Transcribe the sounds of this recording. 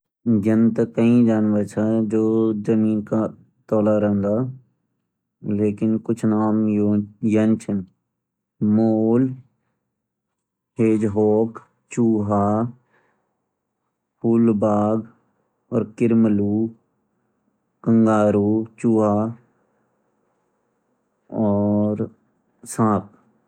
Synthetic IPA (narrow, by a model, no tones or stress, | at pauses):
jənt̪əkəĩd͡ʒaːnʋət͡ʃʰad͡ʒoːd͡ʒəmiːnka | t̪ɔːlaɾəɦnd̪aː | leːkɪnkʊt͡ʃʰnaːmjənt͡ʃʰən | moːl | ɦeːd͡ʒɦoːk | t͡ʃuːɦaː | puːlbaːɡ | ɔːɾkɪɾməluː | kə̃ŋɡaːɾuːt͡ʃuːɦaː | ɔːɾ | sãːp̚